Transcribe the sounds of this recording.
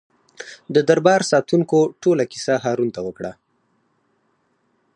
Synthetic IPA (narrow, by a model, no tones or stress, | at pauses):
d̪əd̪aɾbɑɾsɑt̪uŋkoʈolakisaɦɑɾunt̪awəkɽa